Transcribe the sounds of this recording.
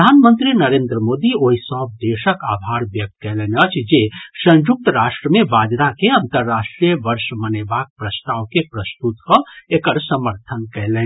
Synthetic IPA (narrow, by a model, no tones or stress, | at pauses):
d̪ʱaːnmə̃nt̪ɾinəɾẽːnd̪ɾəmoːd̪ioɦisɔːb̚d̪eːʃəkaːbʱaːɾbjək̚t̪̚kɛɦlenət͡ʃʰd͡ʒesə̃nd͡ʒuk̚t̪ɾaːʃʈɾəmẽbaːd͡ʒɾakeɐ̃nt̪əɾːaːʃʈɾijəʋəɾʃmənebak̚pɾəst̪aːʋkepɾəst̪ut̪kɔekəɾsəməɾt̪ʰənkɛɦleː